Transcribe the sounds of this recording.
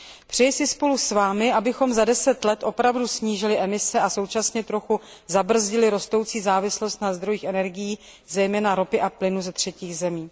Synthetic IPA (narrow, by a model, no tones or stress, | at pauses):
pr̝̥ɛjɪsɪspo̞lusvaːmɪʔabɪxo̞mzadɛsɛt̪lɛt̪ʔo̞pɾavdusɲiːʒɪlɪʔɛmɪsɛaso̞wt͡ʃasɲɛt̪ɾo̞xu | zabr̩zɟɪlɪɾo̞st̪o̞wt͡siːzaːvɪslo̞st̪nazd̪ɾo̞jiːxʔɛnɛɾɡɪjiː | zɛjmɛːnaɾo̞pɪʔaplɪnuzɛt̪r̝̥ɛciːɣzɛmiː